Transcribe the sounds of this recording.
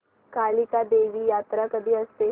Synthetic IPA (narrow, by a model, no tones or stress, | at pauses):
kaːlikad̪eʋiːjat̪ɾakəd̪ʱiːəst̪e